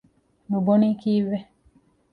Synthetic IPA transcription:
nubɔnikiwɛ

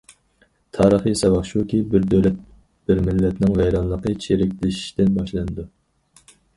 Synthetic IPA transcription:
t̪ʰɑːɾəχisɑwɑχʃukʲibɪɾd̪øwlɛt̪̚ | b̥ɪɾmɪlːɛt̪nɪŋvɛjɾɑnlˠəqət͡ʃʰeɾɪkʲlɪʃi̥ʃt̪ɪnbɑʃlˠɨnɨd̪u

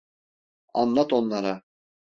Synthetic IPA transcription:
ɑ̰nlˠɑt̪onlˠɑɾa

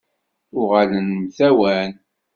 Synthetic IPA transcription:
ʊʁalənmθæwæn

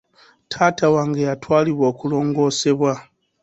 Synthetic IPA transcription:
tʰatawaŋɡejatwaːliβwo̞ːkulo̞ːŋɡo̞ːse̞βwa

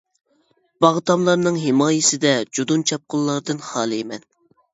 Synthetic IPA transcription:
b̥ɑʁt̪ɑmlˠɑɾnɨŋɦɪmɑːjɪsɪd̪ɛd͡ʒod̪unt͡ʃʰɑp̚qʊlˠːɑɾd̪ɨnχɑːlˠɨemɛn

